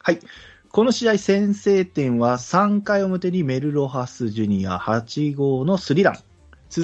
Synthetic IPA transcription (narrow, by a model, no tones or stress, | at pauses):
hai | ko̞no̞ɕid̪aisẽ̞ɰ̃se̞ːt̪ẽ̞ɰ̃βasãŋkaio̞mɯ̟t̪e̞ɲ̟ime̞ɾɯ̟ɾo̞ɦasɨʑɨɲ̟ija̰hat͡ɕiɡo̞ːno̞sɨɾʲid̪ã̰ŋ | t͡sɨ